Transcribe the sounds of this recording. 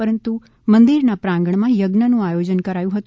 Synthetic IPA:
pəɾənt̪u | mə̃nd̪iɾnapɾãŋɡəɳ̃mãjəɡnənũajod͡ʑənkəɾajũɦət̪ũ

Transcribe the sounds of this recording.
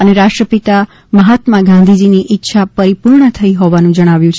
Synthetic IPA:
əneɾaʂʈɾəpit̪a | məɦat̪maɡãnd̪ʱid͡ʒiniʔɪtːʃʰapəɾipuɾɳət̪ʰəiɦoʋanũd͡ʒəɽ̃aʋjũt͡ʃʰe

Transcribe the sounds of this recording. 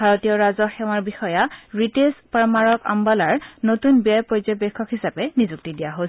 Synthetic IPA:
bʱaɹotijɔɹazɔxɛw̃aɹbixɔjaɹitezpaɹmaɹɔka̰mbalaɹnotunbijajpɹozɔbɛkʰːɔkɦisapɛnizuk̚tidijaɦo

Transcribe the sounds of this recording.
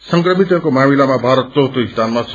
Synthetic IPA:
sʌŋkrʌmit̪ʌkomamilamabʱaɾʌt̪̚t͡sʌɦt̪oɦist̪anmas

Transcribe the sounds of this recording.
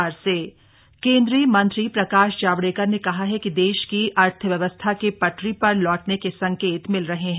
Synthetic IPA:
ɾse | kẽːnd̪ɾiəmɐ̃nt̪ɾipɾɐkaːʃd͡ʒaːʋɽeːkəɾnekɐɦaɦɛkid̪eːʃkiʔɐɾt̪ʰəʋjɐʋəst̪ʰakepɐʈɾipɐɾlɔːʈnekesɐ̃ŋkeːt̪mɪlɾɐɦeɦɛ̃

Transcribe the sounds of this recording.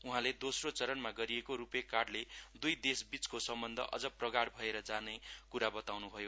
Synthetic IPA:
uɦãled̪osrot͡sʌɾʌnmaɡʌɾiekoɾupekaɽled̪ujd̪esbit͡skosʌmbʌnd̪ʱʌ̰ʔʌ̰d͡zʌprʌɡaɽbʱʌeɾʌd͡zanekuɾabʌt̪awnubʱʌjo

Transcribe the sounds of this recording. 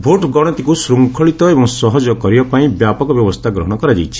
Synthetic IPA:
bʱoʈɡɔɽ̃ɔt̪ikusɾuŋkʰɔɭit̪ɔebɔŋsɔɦɔd͡ʒɔkɔɾibapaĩbjapɔkɔbjɔbɔst̪ʰaɡɾɔɦɔɽ̃ɔkɔɾad͡ʒajt͡ʃʰi̥

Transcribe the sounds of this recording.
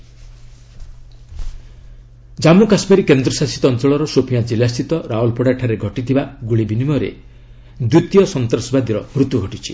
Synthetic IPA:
d͡ʒamukasmeɾikend̪ɾɔsasi̥t̪ɔnt̪ɔɭɔɾɔsopʰijad͡ʒilast̪ʰit̪ɔɾaɦulpɔɽaʈʰaɾeɡʱɔʈit̪ʰibaɡuɭibinimɔɾḛ | d̪ut̪jɔsɔnt̪ɾɔsɔbad̪iɾɔmɾut̪uɡʱɔʈit͡ʃʰi̥

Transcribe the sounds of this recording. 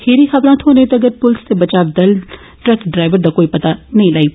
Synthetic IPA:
heːɾiːxʰabɾãːt̪ʰoːnẽt̪aɐəɡəɾpʊlst̪ebət͡ʃaːʋd̪əl | ʈɾɛkɖɾaːɪʋəɾd̪aːkoːipɐt̪anɐĩlaːiː

